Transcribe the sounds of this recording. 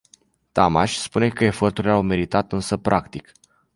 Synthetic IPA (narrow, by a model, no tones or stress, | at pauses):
t̪amaʃʲspune̞kəe̞fo̞rt̪uɾilawme̞ɾit̪at̪ɨnsəpɾʔakt̪ik